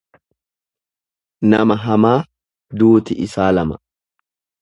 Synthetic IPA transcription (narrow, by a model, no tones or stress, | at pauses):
nɐmɐɦɐmaː | d̪uːt̪ɪʔɪsaːlɐmɐ̥